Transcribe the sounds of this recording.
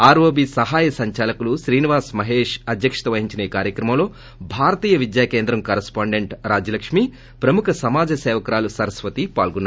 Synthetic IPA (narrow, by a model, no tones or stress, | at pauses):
aːɾʋoːbisɐɦaːjɐsɐɲt͡ʃaːlɐkuluʃɾiːniʋaːsmɐɦeːʂɐd̪jɐkʂɐ̥t̪ɐʋɐɦiɲt͡ʃineːkaːɾjɐkɾɐmɐmlo̞ː | bʱaːɾɐt̪iːjɐʋid̪jaːkeːnd̪ɾɐmkɐɾɐspaːɳɖeɳʈɾaːd͡ʒɐlɐkʂmi | pɾɐmukʰɐsɐmaːd͡ʒɐsɛːʋɐkɐɾaːlusɐɾɐsʋɐt̪ipa̰ːlɡunːa